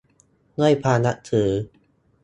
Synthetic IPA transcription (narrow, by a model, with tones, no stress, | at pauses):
ŋɯ˥˩˨jpʰaː˧na˦˥ʔt̪ʰɯː˩˦